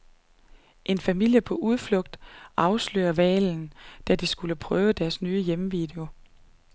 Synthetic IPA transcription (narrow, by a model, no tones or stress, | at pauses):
ʔe̝nfæmil̰jəpʰɒ̽ʔuð̞ˠflɔ̽ɡ̥̚d̥ʔɑ̈ʊslø̰ːɐʋɛ̰ːln̩d̥æd̥isɡ̥uləpʰʁœːʊd̥æɐsnyːəjeməʋḭːd̥e̝o̝